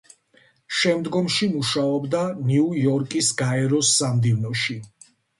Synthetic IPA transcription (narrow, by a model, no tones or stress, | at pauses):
ʃɛmd̪ɡɔmʃimuʃaɔbd̪aniujɔɾkʼisɡaɛɾɔsːamd̪ivnɔʃi